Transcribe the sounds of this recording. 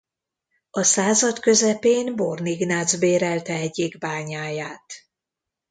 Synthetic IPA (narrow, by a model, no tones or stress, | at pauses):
ɒsaːzɒt̪kø̞zɛpeːnbo̞rniɡnaːd̪zbeːɾɛlt̪ɛɛɟːiɡbaːɲaːjaːt̪